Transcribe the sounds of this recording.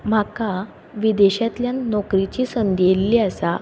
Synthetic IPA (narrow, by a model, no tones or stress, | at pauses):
m̤aka | ʋid̪eɕat̪ljanɔkɾit͡ɕiːsənd̪ijelːiːasa